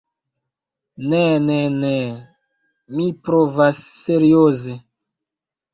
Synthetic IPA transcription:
nenene | mipɾovasːeɾioze

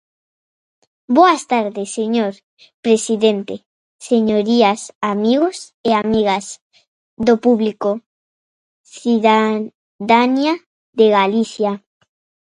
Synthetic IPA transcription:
boast̪aɾðeseɲoɾ | pɾesiðent̪e | seɲoɾiasamiɣos | eamiɣas | ðopuβliko | siða | ðanja | ðeɣaliθja

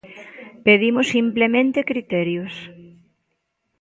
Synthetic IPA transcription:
peðimʊsimplemẽnt̪ekɾit̪ɛɾjos

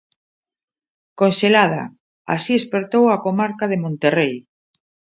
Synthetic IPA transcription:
konʃelað̞a̰ | a̰siespeɾt̪owakomaɾkað̞emõnt̪erej

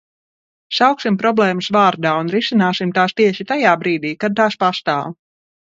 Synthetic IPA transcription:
sawksimpɾɔblˠɛːmusvaːɾd̪aːunɾisinaːsimt̪aːst̪iɛʃit̪ajaːbɾiːd̪iːkad̪̚t̪aːspast̪aːw

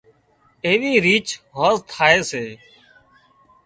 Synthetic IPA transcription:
eːʋiːɾiːt͡ʃɦoːzt̪ʰaːeːseː

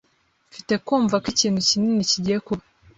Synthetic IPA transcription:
fite̞kuːɱvakiciːn̥hucininiciɟijekuβa

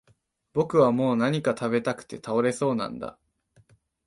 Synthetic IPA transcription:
b̥o̞kɯ̟βamo̞ːnaɲ̟ikat̪abe̞t̪akɯ̟̥t̪e̞t̪ʰao̞ɾe̞so̞ːnã̰nd̪a̰

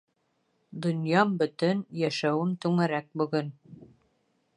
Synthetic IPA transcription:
d̪ŏnjɑmbɵ̆t̪ɵnjæʃæwɘmt̪ʉŋæɾæk̚bɵ̆ɡɵn

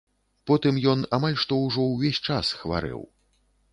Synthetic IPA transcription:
pɔt̪ɨmjɔnamalʲʂt̪ɔwʐɔwvʲesʲt͡ʂasxva̰ɾɛ̰w

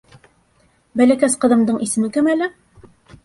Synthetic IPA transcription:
bælækæsqɤ̆ðɤ̆md̪ɤɴisɘ̆mɘkɘmælɘ

